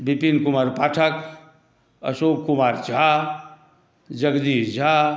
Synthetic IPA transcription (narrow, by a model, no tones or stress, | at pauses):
bipinkumaɾpaʈʰək | ə̰sokumaɾt͡ʃa | d͡ʒəɡd̪id͡ʒʱa